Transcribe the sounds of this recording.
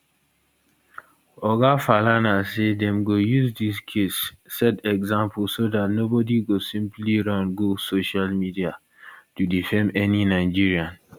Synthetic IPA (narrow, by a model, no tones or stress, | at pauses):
ɔɡafalanasedɛ̃mɡojuzdiskʰesː | ɛtɛɡzãmpʰlsodatnobɔdiɡosĩmpliɹãnɡosoʃalmidia | tudifɛ̃mɛninaɪd͡ʒiɹiãn